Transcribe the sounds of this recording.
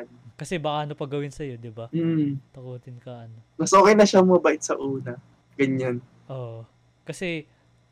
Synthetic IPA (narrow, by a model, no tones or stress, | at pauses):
nkɐsɛbɐʔaːɐno̞pɐɡɐwɪnsɐjo̞d̪ɪbɐm̩ːt̪ɐkuːt̪ɪnkɐʔɐnomɐsʔoːkejnɐʃammɐbaʔɪt̪sɐʔuːnɐ | ɡ̥ɐɲːan | ʔoːʔ | kɐsɛ